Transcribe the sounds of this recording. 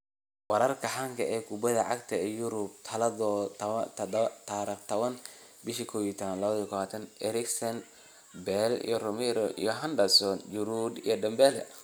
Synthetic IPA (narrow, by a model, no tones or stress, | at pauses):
wɑɾɐrkʰɐħaŋkʰɐɛːkʰʊbɐðɐʕɑ̰ɡt̪ʰɐɛjʊɾʊb̚t̪ʰɐlɐðɔ | t̪ʰaɾiχt̪ʰɐβɐn | bɪʃikʰɔːwiːt̪ʰɐanlɐβɐðijkʰɔwaːt̪ʰɐnɛɾɪksɐn | bɛlḭjɔrɔmɛɾɔʔḭjɔɦɐnɖɐsɔnd͡ʒʊɾud̪ijɔɖɐmbɛlɛ